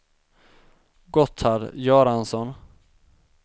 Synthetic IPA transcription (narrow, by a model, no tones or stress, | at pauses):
ɡɔt̪ʰhaɾjɑːɾansɔn